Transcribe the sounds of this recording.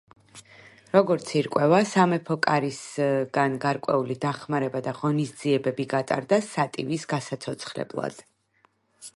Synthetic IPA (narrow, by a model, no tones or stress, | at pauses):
ɾɔɡɔɾt̪sʰiɾkʼwɛvasamɛpʰɔkʼaɾisɡanɡaɾkʼwɛulid̪aχmaɾɛbad̪aʁɔnisd̪ziɛbɛbiɡat̪ʼa̰ɾd̪asat̪ʼḭvisɡasat̪sʰɔt̪sʰχɾɛ̰blˠa̰d̪̥